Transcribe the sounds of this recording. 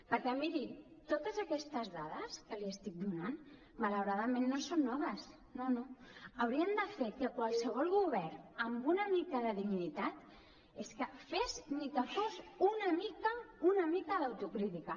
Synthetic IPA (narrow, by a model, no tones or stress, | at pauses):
pəɾkɛmiɾit̪ot̪əzəkɛst̪əzðaðəskəliəst̪ik̚d̪unan | mələwɾaðəmenːosonːɔβəs | nonoəwɾiənd̪əfekəkwalˠsəβ̞ɔlˠɣuβ̞ɛrnəmbunəmikəðəðiɣnit̪at̪ | eskəfeznit̪əfɔzunəmikəunəmikəðəwt̪ukɾit̪ikə